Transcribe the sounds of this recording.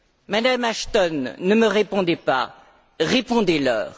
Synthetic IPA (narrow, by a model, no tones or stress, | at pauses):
mad̪amaʃt̪ɔnːəməʁepɔ̃d̪ɛpa̰ | ʁepɔ̃d̪ɛlœ̰ːʁ